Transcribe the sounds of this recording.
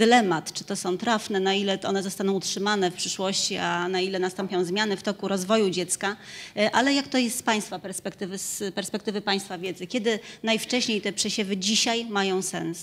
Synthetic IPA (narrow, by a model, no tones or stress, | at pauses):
d̪lɛmat̪t͡ʂɘ̥t̪ɔsɔ̃w̃t̪ɾafnɛnailɛʔɔ̰nɛzɔst̪anɔ̃w̃utʂɘmanɛfpʂɘʂwɔɕt͡ɕianailɛnast̪ɔmpʲjɔ̃w̃zmʲjanɘft̪ɔkuɾɔzvɔjud͡ʑɛt̪skaʔalɛjakt̪ɔjɛst̪spaj̃st̪fapɛɾspɛkt̪ɘvɘspɛɾspɛk̚t̪ɘvɘpaj̃st̪favʲjɛd̪zɘkʲɛd̪ɘnajft͡ʂɛɕɲejt̪ɛpʂɛɕɛvɘd͡ʑiɕajmajɔ̃w̃sɛ̰ns